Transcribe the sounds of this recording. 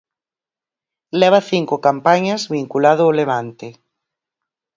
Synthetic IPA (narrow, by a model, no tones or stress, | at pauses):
lɛβ̞aθiŋkokampaɲazβiŋkulaðʊːleβ̞ant̪e